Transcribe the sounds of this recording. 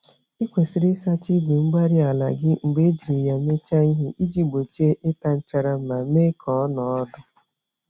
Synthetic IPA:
i˦kʷe˨si˨ɾɪ˦sa˦t͡ʃi˦be˨ŋ͡m̩˦ɡ͡ba˦ɾi˦a˨la̰˨ɡɪ˦ŋ͡m̩˨ɡ͡be˦d͡ʒi˨ɾi˨ja˨me˦t͡ʃa˦i˦ɦi˦ʔi˦d͡ʒi˦ɡ͡bo˨t͡ʃe˦ʔe˦ta˦n̩˦t͡ʃa˦ɾa˦m̩˦ma˨me˦kʰɔ˨ɔ˦nɔ˨ɔ˦dʊ˦

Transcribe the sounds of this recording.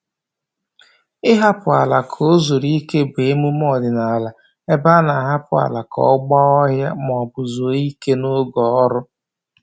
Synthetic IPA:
ɪ˦ɦa˦pʊ˨a˨la˨kʰo˦zo˨ɾi˦ke˦be˨e˦mu˦m˦ɔ˦˨dɪ˨na˨la˨ | e˦ba˦na˨ɦa˦pʊ˨a̰˨la˨kɔ̰˦ɡ͡ba˦ɔ˦ɦja˦m˨ɔ˨bʊ˨zo˨˦i˦ke˦no˦ɡɔ˨ɔ˦ɾʊ˦

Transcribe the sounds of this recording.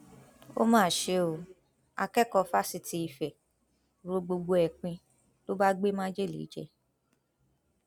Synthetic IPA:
o̰˦mãː˦˨ʃe˧o˨ | a̰˧kɛ˦kɔ˧fa˦si˧ti˧i˨fɛ˨ | ɾo˧ɡ͡bo˧ɡ͡bo˧ɛ˨k͡pĩ˧ | to˦ba˦ɡ͡be˦mã˦d͡ʒe˦˨lḭ˨˦d͡ʒɛ̰˧

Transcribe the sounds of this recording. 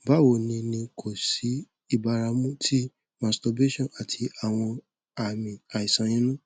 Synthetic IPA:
ba˦wo˨nĩ˧nĩ˧kʰo˨si˨˦ | i˦˨ba˧ɾa˧mũ˦tʰi˦ | mã˨sto˧be˦ʃɔ̃˨a˨tʰi˧a˨w̃ɔ̃˧ | a˨mĩ˨a˨i˨sã˨˧j̃ĩ˦nũ˦

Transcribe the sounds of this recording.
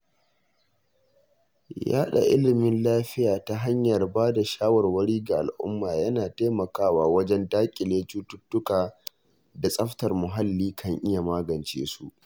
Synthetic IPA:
ja̰ː˦ɗa̰˨ʔɪ̰˦lɪ˨mɪ˦nlaː˦ɸɪ˦jaː˨ta˦ɦa˦ɲjɐ˨rbaː˦da˨ʃaː˦wɐ˨rwɐ˦ɽiː˦ɡa˨ʔa̰˨lʔʊ̰˦mːaː˨jɐ˦naː˨teː˦mɐ˨kaː˦waː˦wɐ˦d͡ʒɛ˦ndaː˦kʲʼɪ˨leː˦t͡ʃuː˦tʊ˦tːʊ˦kaː˨ | da˨sʼɐ˦ɸtɐ˨rmʊ˨ɦa˦lːiː˦kʰɐ˦ŋʔɪ˦ja˨maː˦ɡɐ˨nt͡ʃḛː˦su˦ʔ

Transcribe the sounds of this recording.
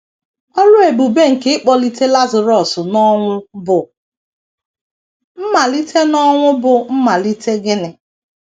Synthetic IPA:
ɔ˦ɾʊ˦e˨bu˨be˦ŋ̩˨ke˦ɪ˦k͡pɔ˦li˦te˦la˦zɪ˨ɾɔ˨sʊ˨nɔ˦ŋʷʊ˦bʊ˨ | m̩˦ma˨li˦tʰe˦nɔ˦ŋʷʊ˦bʊ˨m̩˦ma˨li˦te˦ɡɪ˦nɪ˨

